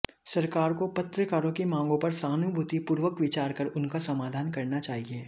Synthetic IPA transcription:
sɐɾkaːɾkopɐt̪ɾəkaːɾõkimãːŋɡõpɐɾsaːnʊbʱʊt̪ipuːɾʋəkʋɪt͡ʃaːɾkəɾʊnkasɐmaːd̪ʱaːnkɐɾnat͡ʃaːɦieː

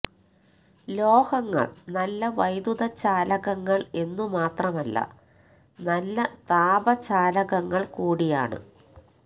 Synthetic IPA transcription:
lo̞ːhɐŋːɐ̰ɭnɐlːɐʋɐjd̪uðɐt͡ɕːaːlɐɣɐŋːɐɭe̞nːumaːt̪rɐmɐlːɐ̰ | nɐlːɐt̪aːbɐt͡ɕaːlɐɣɐŋːɐɭkuːɽija̰ːɳɨ̰

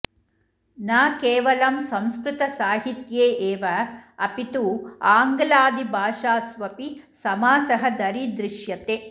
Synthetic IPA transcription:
naːkeːʋɐlɐmsɐmskɾɪt̪ɐsaːɦit̪jeːʔeːʋɐɐpit̪uaːŋɡɐlaːd̪ibʱaːʂaːsʋɐpisɐmaːsɐɦɐd̪ɐɾid̪ɾɪʃjɐt̪eː

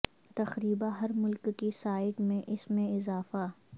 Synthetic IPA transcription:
t̪ɐxɾiːbaɦɐɾmʊlkːisaːɪkmẽʔɪsmẽɪzaːfa

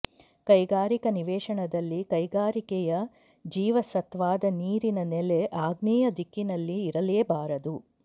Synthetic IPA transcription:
kɐjɡaːɾikɐniʋɛːʂɐɳɐd̪ɐlːikɐjɡaːɾikɛjɐ | d͡ʒiːʋɐsɐt̪ʋaːd̪ɐniːɾinɐnɛleʔaːɡniːjɐd̪ikːinɐlːiːɾɐleːbaːɾɐd̪u

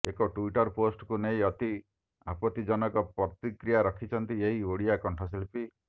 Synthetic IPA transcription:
ekɔʈuiʈɔɾposʈkuneĩɔt̪i | apɔt̪id͡ʒɔnɔkɔpɾɔt̪ikɾijaɾɔkʰit͡ʃʰɔnt̪ieɦioɽijakɔɳʈʰɔs̬elpi

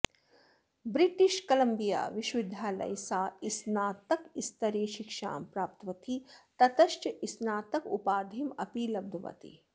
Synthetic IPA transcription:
bɾiʈiʃkɐlɐmbija̰ːʋiʃʋid̪ʱːaːlɐ̰jsaːisnaːt̪ɐkist̪ɐɾeːʃikʃa̰ːmpɾaːp̚t̪ʋɐt̪ʰit̪ɐt̪ɐʃt͡ʃɐʔisnaːt̪ɐkupaːd̪ʱimɐpiːlɐb̚d̪ʱuʋɐ̰t̪ḭ

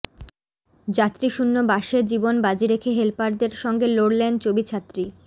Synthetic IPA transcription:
d͡ʑat̪ːɾiʃunːobaʃed͡ʑibonbad͡ʑiɾekʰeɦelpaɾd̪eɾʃɔŋɡeloɽlent͡ɕobit͡ɕʰat̪ːɾi

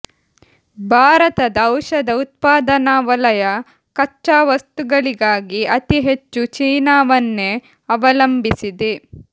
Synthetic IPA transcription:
bʱaːɾɐt̪ɐd̪ɐwʃɐd̪ɐut̪̚paːd̪ɐnaːʋɐlɐjɐ | kɐːaːʋɐst̪uɡɐɭiɡaːɡiʔɐt̪iɦe̞t͡ʃːut͡ʃiːnaːʋɐnːe | ɐʋɐlɐmbisid̪e

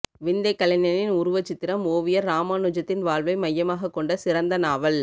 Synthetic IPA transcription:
ʋɪnd̪ɐɪkːɐɭɐɲɐnɪnʊɾʊʋɐt͡ʃːɪt̪ːɪɾɐmoːʋɪjɐɾːaːmaːnʊd͡ʒɐt̪ːɪnʋaːɭʋɐɪmɐjːɐmaːɣɐkːɔɳɖɐsɪɾɐnd̪ɐnaːʋɐl

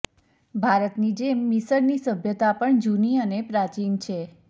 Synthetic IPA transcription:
bʱaɾət̪nid͡ʒemːisəɾnisəbʱjət̪apəɳd͡ʒuniənepɾat͡ʃint͡ʃʰe

